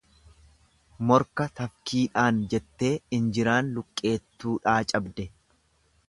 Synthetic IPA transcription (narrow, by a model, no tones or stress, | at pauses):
mɔɾkɐt̪ɐfkʰiːᶑaːnd͡ʒɛt̪ːe̞ːɪnd͡ʒɪɾaːnlʊkʼːe̞ːt̪ːuːᶑaːt͡ʃʼɐbd̪ɛ